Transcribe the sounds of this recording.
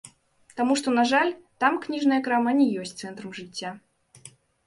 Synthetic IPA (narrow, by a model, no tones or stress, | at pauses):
t̪amuʂt̪ɔnaʐalʲt̪amknʲiʐnɐjɐkɾamanʲɛjɔsʲtʲt̪sɛnt̪ɾɐmʐɨtʲːa